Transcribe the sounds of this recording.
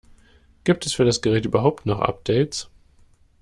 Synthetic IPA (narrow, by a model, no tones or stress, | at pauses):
ɡ̥iːp̚tʰɛsfyːɐɾasɡ̥əʁɛːtʔyːbɐɦaʊp̚tnɔχʔa̰p̚d̥ɛɪts